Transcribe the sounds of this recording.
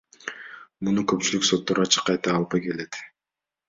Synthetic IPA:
munukɵpt͡ʃylykso̞t̪ːoɾɑt͡ʃʰɯ̥qːɑjt̪ɑːlˠpɑjke̞le̞t̪

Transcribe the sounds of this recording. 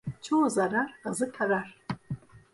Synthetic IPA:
t͡ʃʰoːzaɾarazɨtʰaɾar

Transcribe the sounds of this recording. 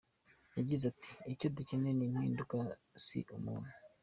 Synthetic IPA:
jaɟizati̥ːcodicinenim̥hḭːnduka | sḭʔumuwe

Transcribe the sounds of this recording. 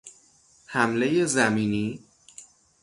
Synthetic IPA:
hæmle̞jezæmiːniː

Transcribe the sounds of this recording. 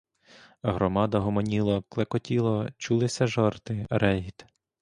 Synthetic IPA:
ɦɾɔmɑd̪ɐɦɔmɔnʲilˠɔklˠekɔtʲilˠɔt͡ʃulˠɪsʲɐʒɔrt̪ɪɾɛɦʲit̪

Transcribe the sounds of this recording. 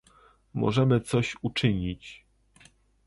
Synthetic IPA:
mɔ̰ʐɛmɘt̪sɔɕut͡ʂɘɲit͡ɕ

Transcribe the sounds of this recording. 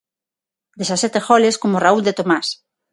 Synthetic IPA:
d̪esasɛt̪exɔleskomorauld̪et̪omas

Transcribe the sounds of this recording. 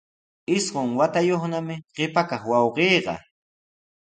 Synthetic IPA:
ɪsɢʊŋwat̪ajoχnamɪɢɪpakaχwɑwɢejːɢɑ̰

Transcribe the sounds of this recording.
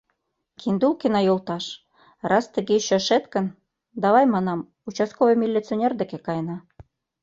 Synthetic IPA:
kʰind̪ulkenɑjolˠt̪ɑʃ | rʔɑst̪ə̆ɣeɕøʃet̪kə̆n | d̪ɑβɑjmɑnɑm | ut͡ɕɑskoβɤjmʲilʲːit͡sonʲerd̪ĕkĕkɑjnɑ

